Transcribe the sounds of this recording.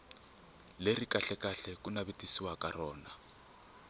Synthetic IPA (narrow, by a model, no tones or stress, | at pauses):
lerikʼaɬɛkʼaɬɛkunaβetʼisiwakʼarɔːna